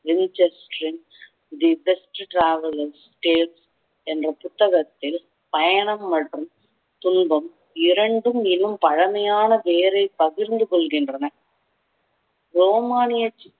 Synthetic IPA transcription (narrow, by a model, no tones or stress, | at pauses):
ʋɪnt͡ʃɛsʈɾɪn | d̪ibɛsʈʈɾaːʋɐlɐɾs | ʈeːls | ɛndrɐpʊt̪ːɐɣɐt̪ːɪl | pɐjɐɳɐmːɐʈrɯm | t̪ʊnbɐm | ɪɾɐɳɖɯmɪlːɯmpɐɻɐmɐjaːnɐʋeːɾɐɪpɐɣɪɾnd̪ɯkɔɭɣɪndrɐnɐ | ɾoːmaːnɪjɐt͡ʃː